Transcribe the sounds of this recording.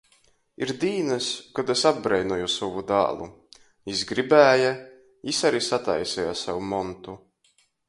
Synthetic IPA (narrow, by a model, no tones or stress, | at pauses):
iɾd̪iːnɨskad̪esab̚ɡɾɛjnɔjusɔvud̪a̰ːlˠu | jisɡɾibæːja | jisaɾisat̪a̰jsɛjasawumɔnt̪u